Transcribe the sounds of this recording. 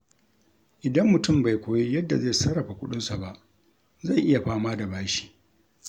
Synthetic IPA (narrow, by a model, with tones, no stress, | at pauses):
ʔɪ˨dɐ˦mːʊ˨tʊ˦˨mba˨jkʷoː˨ji˦jɐ˦dːa˨za˦˨sɐ˦ɽɐ˨ɸa˨kʷʊ˦ɗʊ˦nsa˨ba˦ʔ | za˦˨jʔɪ˦ja˨ɸaː˦maː˦da˨baː˦ʃi̥ː˦˨